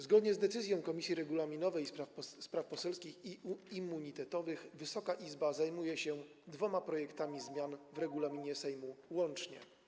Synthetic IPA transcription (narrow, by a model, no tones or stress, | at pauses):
zɡɔd̪ɲɛzd̪ɛt̪sɘzʲjɔ̃w̃kɔmʲisʲiɾɛɡulamʲinɔvɛjspɾafpɔsɛlskʲixiimːuɲit̪ɛt̪ɔvɘxvɘsɔkaʔizbazajmujɛɕɛ | d̪vɔmapɾɔjɛkt̪amʲizmʲjanvɾɛɡulamʲiɲɛsɛjmuwɔnt͡ʂɲɛ̰